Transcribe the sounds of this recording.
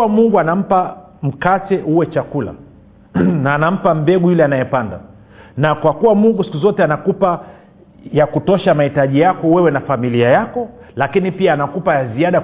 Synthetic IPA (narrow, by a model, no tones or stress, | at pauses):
amuŋɡuanam̩pa | m̩katɛuwɛt͡ʃakula̰ | naːnam̩pam̩bɛɠujulɛanajɛpanda̰ | nakwakuwamuŋɡusi̥kuzɔtɛanakupa | jakutɔʃamahitaʄijakɔwɛwɛnafamiliajakɔlakinipiaːnakupajaziaɗa